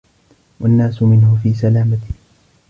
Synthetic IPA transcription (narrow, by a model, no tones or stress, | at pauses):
wanːaːsʊmɪnhʊfiːsalaːmat̪ɪ